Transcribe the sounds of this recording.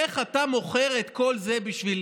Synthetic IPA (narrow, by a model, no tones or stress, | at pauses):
eχat̪amo̞χe̞ʁet̪ko̞lze̞biʃvil